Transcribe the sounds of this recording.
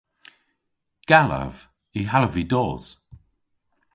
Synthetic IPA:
ɡ̥alə̰v̥ | iɦaləvidɔːz̥

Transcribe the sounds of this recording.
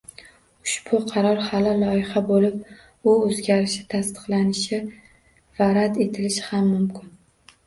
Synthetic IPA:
ʊʃbʊqʰɑɾɒɾhalalɒɪhabolɪp̚ | ʊɵzɡʲaɾɪʃɪt̪ʰast̪ɨ̥qlˠanɪʃɪ | vaɾat̪e̞t̪ʰɪlɪʃɪhamːʊmkʲʰɪn

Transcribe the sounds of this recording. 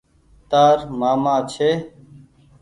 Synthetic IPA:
t̪aːɾmaːmaːt͡ʃʰeː

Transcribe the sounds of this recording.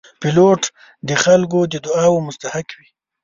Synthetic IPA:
pɪloʈ | d̪əxalk̬od̪əd̪ʊɑwomʊst̪ahakwi

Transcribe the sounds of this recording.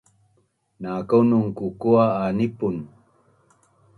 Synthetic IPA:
nakawnuŋkukuaːnipun

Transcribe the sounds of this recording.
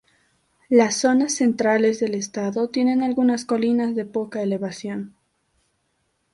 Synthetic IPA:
lasːo̞nasːe̞nt̪ɾale̞zðe̞le̞st̪aðot̪je̞ne̞nalɣunasko̞linazðe̞po̞kaele̞β̞asjo̞n

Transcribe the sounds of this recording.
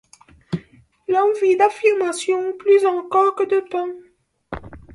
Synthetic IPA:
lɑ̃vid̪afiʁmasjɔ̃plyzɑ̃kɔʁkəd̪ət̪ɑ̃

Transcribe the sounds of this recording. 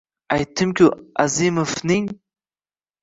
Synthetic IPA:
ajtʰɨmkʲʰua̰zimɨfniŋ

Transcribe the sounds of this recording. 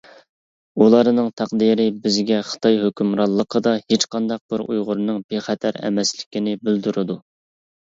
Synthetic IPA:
ulˠɑɾnɨŋt̪ʰæqd̪iɾɪbɪzɡʲɛχə̥t̪ʰɑjɦøkʲymɾɑlˠːəqʰəd̪ɑhet͡ʃqɑnd̪ɑq̚bɪɾujʁʊɾnɨŋbeχæt̪ʰæɾɛ̰mɛslɪ̥kʲinɪbyld̪yɾɨd̪u

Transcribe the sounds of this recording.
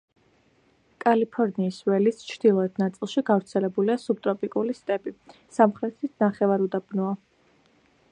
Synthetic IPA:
kʼalipʰɔɾniːswɛlist͡ʃʰɾd̪̥ilˠɔɛt̪ʰnat̪sʼilˠʃiɡavɾt̪sʰɛlɛbuliasub̥̚t̪ʼɾɔpʼikʼulist̪ʼɛbi | samχɾɛt̪ʰisnaχɛvaɾud̪abnɔa

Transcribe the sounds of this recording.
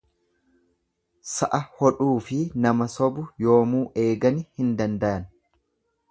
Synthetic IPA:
sɐʔɐhɔᶑuːfɪnɐmɐsɔbʊjo̞ːmuːʔe̞ːɡɐnɪhɪnd̪ɐnd̪ɐʔɐn

